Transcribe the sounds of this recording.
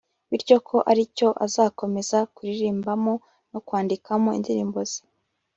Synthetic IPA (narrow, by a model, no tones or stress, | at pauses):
βiɾɟo̞kʰo̞ʔaɾico̞ʔazaːko̞me̞zakuɾiɾiːmbamo̞ | no̞kwaːndikʰamo̞ḭndiɾiːmbo̞z̥e̥